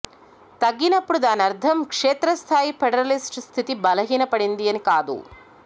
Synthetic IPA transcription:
t̪ɐɡːinɐpːuɽud̪aːnɐɾd̪ʱʰɐmkʂeːt̪ɾɐst̪ʰaːjipʰɛɖɐɾɐlisʈst̪ʰit̪ibɐlɐɦiːnɐpɐɽind̪iɐnikaːd̪ṵ

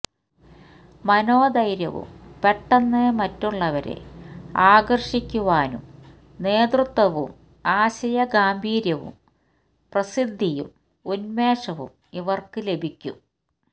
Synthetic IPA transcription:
mɐnoːd̪ɐjɾjɐ̰ʋṵmpeʈːɐnːemɐtːuɭːɐʋɐɾḛaːɡɐrʂikʲːuʋaːnṵm | ne̞ːd̪rɨt̪ʋɐʋṵm | aːɕɐjɐɡaːmbʱiːɾjɐʋṵm | prɐsid̪ʱːijṵm | unme̞ːʂɐʋṵm | iʋɐrkɨle̞bʱikʲːṵm

